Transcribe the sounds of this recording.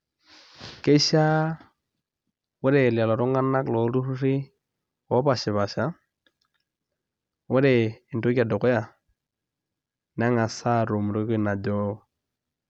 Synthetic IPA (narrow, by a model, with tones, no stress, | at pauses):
ke˦ʃa˦ | wɛ˦ɾɛ˨la˨lɔ˨ɾɔ˦ŋɡa˦na˦klɔ˨˦ɾu˦ru˦ri˦ | wɔ˨˦pa˨ʃɪ˨βa˨ʃa˦ | wɛ˦ɾɛ˨ɪ˨nto˦kʲa˨dɔ˨kɔ˦ja˨ | n˦a˦ŋa˨sa˦ɾo˨m˨ɾo˦ke˦˨na˨dɔ˦